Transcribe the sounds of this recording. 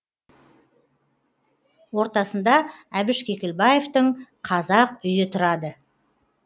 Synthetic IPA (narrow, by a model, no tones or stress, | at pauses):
wo̞ɾt̪ɑsənd̪ɑæbɪʃkʲe̞kʲɪlbaje̞ft̪əɴqʰɑzɑqʏjɪt̪ʰʊɾɑd̪ə